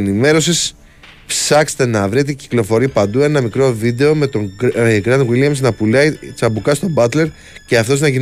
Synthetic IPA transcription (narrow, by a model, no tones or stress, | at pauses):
nime̞ɾo̞sis | psɐkst̪e̞nɐvɾit̪ici̥klo̞fo̞ɾipɐnd̪ue̞nɐmikɾo̞vid̪e̞o̞met̪oɡɾɐnd̪wiljɐmsnɐpulɐit͡ssɐbukɐst̪o̞bɐt̪le̞ɾ | ce̞ɐft̪o̞znɐʝin